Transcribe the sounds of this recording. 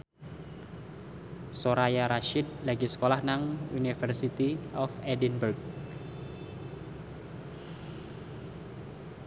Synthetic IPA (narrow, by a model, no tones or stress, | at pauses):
soɾajaɾaʃit̪̚laɡisə̥kolahnaŋunifərsit̪iɔfɛdinburk̚